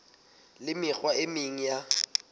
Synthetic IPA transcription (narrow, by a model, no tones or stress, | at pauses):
lɪmɪk͡xwaemiŋ̩ja